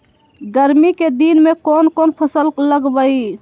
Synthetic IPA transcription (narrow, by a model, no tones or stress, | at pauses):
ɡəɾmiked̪inmekonkonpʰəsəlləɡbəi